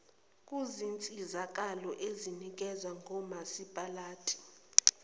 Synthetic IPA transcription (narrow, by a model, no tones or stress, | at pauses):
kʼuzint͡sʼizak̬ʼalɔʔezinik̬ʼɛzwaŋʱɔmasipʼalaːtʼi̥